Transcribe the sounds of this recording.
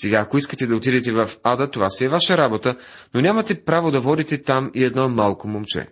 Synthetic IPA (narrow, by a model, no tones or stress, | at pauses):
sɛɡaːkoiskət̪ɛd̪ɐot̪id̪ɛt̪ɛvɐfad̪ət̪ovasɛːvaʃəɾabot̪ə | nonʲamɐt̪ɛpɾavod̪ɐvɔd̪it̪ɛt̪amiɛd̪nɔmalˠkomomt͡ʃɛ̰